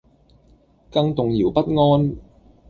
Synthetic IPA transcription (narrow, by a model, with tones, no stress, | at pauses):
kɐ˧ŋt̪ʊ˨ŋjiː˨˩wpɐ˥t̚ŋɔː˥n